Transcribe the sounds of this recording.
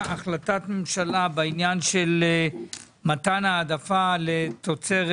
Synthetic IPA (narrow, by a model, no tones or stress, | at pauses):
aχlatat̪me̞mʃalabeinjanʃel | mat̪anaːd̪afale̞t̪ot͡se̞ʁ